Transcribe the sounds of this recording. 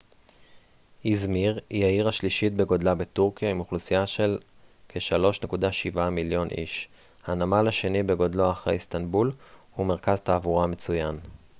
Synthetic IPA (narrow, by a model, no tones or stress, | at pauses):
izmiʁjaiʁaʃliʃit̪̚beɡo̞dlabetuʁkijaimuχlusijaʃe̞l | kʰeʃalo̞ʃne̞kudaʃivamiljo̞nʔḭʃ | hanamalaʃe̞nibe̞ɡo̞dloaχʁejst̪anbulhume̞ʁ̞kazt̪aːvuʁamet͡sujan